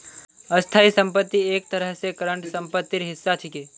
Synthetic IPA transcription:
əst̪ʰaːisə̃mpət̪ːieːk̚t̪əɾəɦsekəɾəɳʈsə̃mpət̪ːɪɾɦɪsːat͡ʃʰikeː

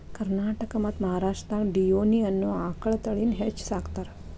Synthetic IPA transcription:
kəɾnaʈəkəmat̪məɦaɾaʂʈət̪anɖijoniənːuãkəɭt̪əɭinɦet͡ʃːsakt̪aɾ

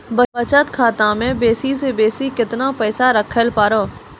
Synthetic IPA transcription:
bəbət͡ʃət̪kʰaːt̪ãmẽːbeːsisebeːsikɪt̪napɛːsaɾəkʰːəlpaːɾoː

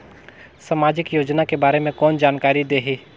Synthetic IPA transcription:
sɐmaːd͡ʒɪkjoːd͡ʒnakebaːɾemẽkɔːnd͡ʒaːnkaːɾid̪eːɦiː

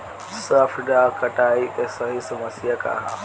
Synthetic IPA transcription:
sɐfɖakɐʈaːiʔesɐɦisɐmɐsijɐka̰ːɦa

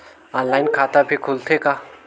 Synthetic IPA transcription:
ɔ̃ːnlaːɪnkʰaːt̪abʱikʰult̪ʰeka

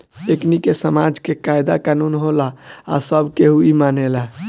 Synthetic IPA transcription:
eknikesəmad͡ʒkekajd̪akanunɦolaa̰səbʱkeɦuimanela

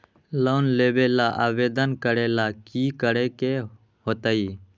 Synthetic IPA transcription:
loːnleːʋeːlaːʔaːʋeːd̪ənkəɽeːlaːkiːkəɽeːkeː | hot̪əiː

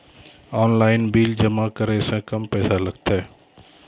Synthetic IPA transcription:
ɔːnlaːɪnbiːld͡ʒəmakəɾesẽkəmpɛːsalɐɡt̪aɛ

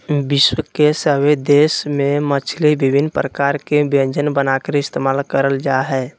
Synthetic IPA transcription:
bɪʃwəkesəwed̪eːsmẽmət͡ʃʰlibɪbɪnpɾəkaːɾkebə̃ɲd͡ʒənbənakəɾɪst̪eːmaːlkəɾəld͡ʒaɦɛː

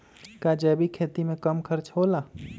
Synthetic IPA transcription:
kad͡ʒɛbikʰet̪imekəmkʰəɾt͡ʃʰɦola

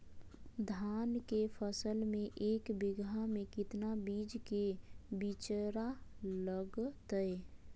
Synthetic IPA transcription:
d̪ʱaːnkepʰəsəlmẽʔeːkbɪɡamẽkɪt̪nabid͡ʒkebit͡ʃəɾaləɡt̪əe

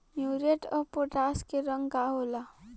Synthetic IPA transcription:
mjuɾeʈʌpoʈaskeɾʌŋɡaɦola

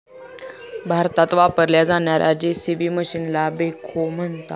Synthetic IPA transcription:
bʱaɾt̪at̪ʋapəɾljad͡zaɳjaɾʔad͡ʑesiʋiːməɕinlabekʰom̤ənt̪a

